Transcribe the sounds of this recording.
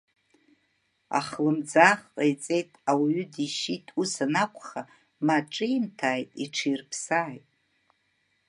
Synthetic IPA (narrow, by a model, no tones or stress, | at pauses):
a̰χlɨmd͡zaχqʼajt͡sʼe̞jtʼawɥʏdiʃitʼusanakʷʰʼχa | maʈ͡ʂʼɨimtʰaːjtʼiʈ͡ʂʰijrpʰsaːjtʼ